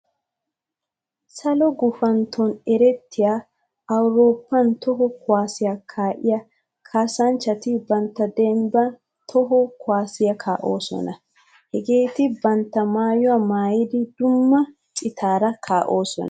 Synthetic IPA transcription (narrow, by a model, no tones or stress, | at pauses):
sɐlɔɡʊfɐnt̪ʰːɔnɛɾɛt̪ːɪjaː | ɐwɾo̞ːpːɐnt̪ɔɦɔkʊwaːsɪjakʰaːʔɪjɐ | kʰaːsɐnt͡ʃːɐt̪ɪbɐnt̪ːɐd̪ɛmbɐn | t̪ʰɔɦɔkʊwaːsɪjɐkʰa̰ːʔo̞ːsɔ̰nɐ | hɛɡe̞ːt̪ɪbɐnt̪ːɐmaːjʊwamaːjɪd̪ɪd̪ʊmːɐ | t͡ʃʼɪt̪ʰaːɾɐkʰaːʔo̞ːsɔ̰nɐ